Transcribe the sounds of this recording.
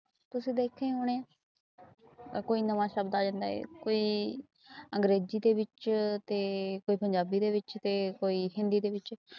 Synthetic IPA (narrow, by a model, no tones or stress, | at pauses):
t̪ʊsĩːd̪eːkʰːeːɦoːɽ̃eːãː | koːiːnəʋãːʃəbd̪aːd͡ʒãːnd̪a̰ːḛːkoːiː | əŋɡɾeːziːd̪eːbɪt͡ʃt̪eːkoːiːpəɲd͡ʒaːbiːd̪eːβɪt͡ʃt̪eːkoːiːɦɪ̃nd̪iːd̪eːbɪt͡ʃ